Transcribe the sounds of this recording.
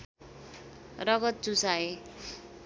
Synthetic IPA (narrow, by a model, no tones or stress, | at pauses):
rʌɡʌt̪̚t͡susae